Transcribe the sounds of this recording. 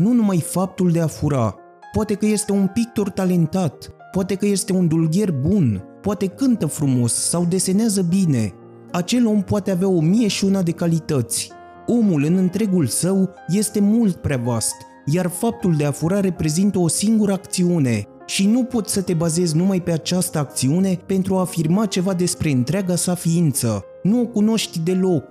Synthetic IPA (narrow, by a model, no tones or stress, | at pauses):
nunumajfap̚t̪uld̪e̞afuɾa̰ | poat̪e̞kəje̞st̪e̞unpik̚t̪ort̪ale̞nt̪at̪ | poat̪e̞kəje̞st̪e̞und̪ulɡʲe̞rbunpoat̪e̞kɨnt̪əfɾumo̞sːawd̪e̞se̞neazəbine̞ | at͡ʃe̞lo̞mpoat̪eaveao̞mije̞ʃiunad̪e̞kalit̪ət̪sʲ | o̞mulɨnɨnt̪ɾe̞ɡulsəw | je̞st̪e̞mult̪̚pɾeavast̪ | jarfap̚t̪uld̪e̞afuɾaɾe̞pɾe̞zint̪əo̞siŋɡuɾəakt̪siune̞ | ʃinupo̞t̪sʲsət̪e̞baze̞zʲnumajpe̞at͡ʃast̪əak̚t̪siune̞pe̞nt̪ɾuaːfirmat͡ʃe̞vad̪e̞spɾe̞ɨnt̪ɾeaɡasafiint̪sə | nuo̞kuno̞ʃt̪ʲd̪e̞lo̞k